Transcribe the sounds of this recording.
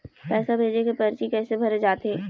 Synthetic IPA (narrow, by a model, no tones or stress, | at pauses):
pɛːsabʱeːd͡ʒekepɐɾt͡ʃikɛːsebʱɐɾed͡ʒaːt̪ɦeː